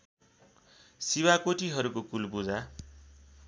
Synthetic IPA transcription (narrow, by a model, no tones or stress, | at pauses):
sibakoʈiɦʌɾukokulbud͡za